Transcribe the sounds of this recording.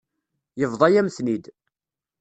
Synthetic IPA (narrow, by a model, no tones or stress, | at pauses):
jəvðˤɑjæmsnid̪